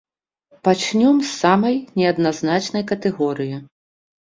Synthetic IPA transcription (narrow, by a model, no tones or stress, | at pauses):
pat͡ʂnʲɔmsːamɐjnʲɛɐd̪naznat͡ʂnɐjkɐt̪ɛɣɔɾɨji